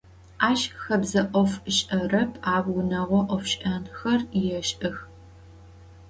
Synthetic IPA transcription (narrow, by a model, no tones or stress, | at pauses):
aːʃxɐbzɐʔʷɔfɨɕʼɐrɐpʰaːwʊnɐʁʷɔʔɔfʃʼʔɐnxɐrjjɛʃʔɐx